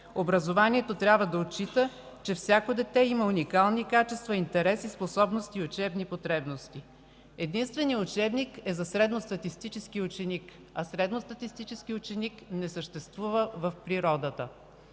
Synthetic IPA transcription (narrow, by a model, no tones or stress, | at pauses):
obɾɐzovaniɛt̪ot̪ɾʲabvəd̪ɐot̪t͡ʃit̪ə | t͡ʃɛfsʲjakod̪ɛt̪ɛiməunikalˠnikat͡ʃɛst̪vɐint̪ɛɾɛsisposɔbnost̪iʊt͡ʃɛbnipot̪ɾɛbnost̪i | ɛd̪inst̪vɛnijəʊt͡ʃɛbnikɛzɐsɾɛd̪nost̪ɐt̪ist̪it͡ʃɛskiʊt͡ʃɛnik | ɐsɾɛd̪nost̪ɐt̪ist̪it͡ʃɛsk̟iʊt͡ʃɛniknɛsəʃt̪ɛst̪vuvəvɐfpɾiɾɔd̪ət̪ə